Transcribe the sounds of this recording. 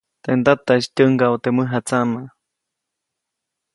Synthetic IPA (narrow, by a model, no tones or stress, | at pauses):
t̪end̪at̪astʲəŋɡawt̪eməɦat͡sama